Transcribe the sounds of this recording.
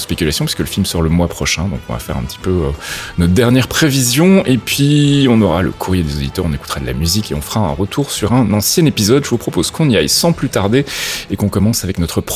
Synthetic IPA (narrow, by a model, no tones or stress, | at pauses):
spekʲylasjɔ̃pɥiskələfilmsɔʁaləmwapχɔʃɛ̃d̪ɔ̃kɔ̃va̰fɛ̰ʁɛ̰̃pət̪ʰi̥pøønɔt̪d̪ɛʁnjɛʁpχevizjɔ̃epɥiɔ̃nɔʁalə̰kʰuʁjed̪ezod̪it̪œʁɔ̃neku̥t̪ʁad̪əlʔa̰myzikeɔ̃fəʁaɛ̰̃ʁət̪ʰuʁsyʁɛ̃nɑ̃sjɛ̃nepizɔd̪ʒəvupχɔpozkɔ̃niajsɑ̃plyt̪aʁd̪eekɔ̃kɔmɑ̃savɛknɔt̪χəp